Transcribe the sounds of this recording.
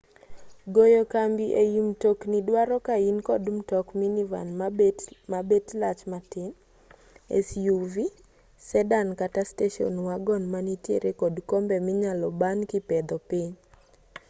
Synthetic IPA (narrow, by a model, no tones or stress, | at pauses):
ɡojokambiʔejimtoknidwaɾɔkainkɔdum̩tɔkminiva̰nmmabetlat͡ʃmatɪn | ɛ̰sjuvi | sɛdankatasteʃɔ̰nwaɡɔnmanitjḛɾekɔdkombɛmɪɲalɔbankɪpɛd̪ɔpɪɲ